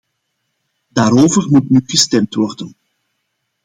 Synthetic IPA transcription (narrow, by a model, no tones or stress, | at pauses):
daːɾoːvərmutnyɣəstɛmtʋɔrdən